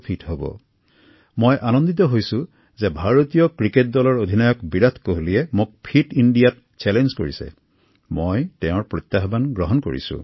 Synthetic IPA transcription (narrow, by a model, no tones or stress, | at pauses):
pʰitɦobɔ̰ | mojʔanɔnd̪it̪̬ɔɦojsʊ̃ | zɛbʱaɹot̪ijɔkɹiket̚dɔlɔɹod̪ʱinajɔkbiɹat̪ʰkoɦolijɛmuk̚pʰitindijat | t͡ʃɛlenzko̰ɹisɛ̰ | mojtɛ̃ʊ̃ɹpɹɔt̪jaɦbanɡɹɔɦɔnko̰ɹḭsṵ̃